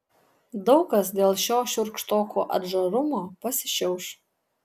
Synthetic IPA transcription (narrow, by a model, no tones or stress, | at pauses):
d̪ɒʊkɐs̬d̪ʲeːlˠʃʲoːʃʲʊɾkʃt̪oːkoːʔɐ̰d̪ʒɐɾʊmoːpɐsʲɪ̥ʃʲɛʊʃ